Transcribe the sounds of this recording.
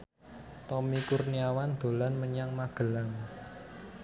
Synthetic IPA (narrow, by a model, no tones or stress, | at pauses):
t̪ɔmikurniawand̪̥o̤lanməɲaŋmaɡ̥ə̤laŋ